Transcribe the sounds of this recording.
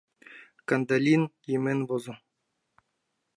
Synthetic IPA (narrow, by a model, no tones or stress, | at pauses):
kand̪alʲinjemenvozɤ̆